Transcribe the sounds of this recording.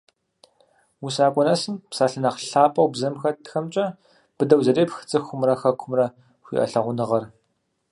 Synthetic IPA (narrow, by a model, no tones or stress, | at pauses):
wusaːkʷʼɔnɐsɨmpsaːɬɨnɐqɬaːpʼɐwbzɐmxɐtʰxɐmt͡ʃʼɐ | b̥ɨdɐwzɐreːpxɨ̥t͡sʼɨxʷʊmrɐxɐkʷʰʊmrɐ | xʷḭːʔɐ̰ɬɐʁʷʊnɨʁɐr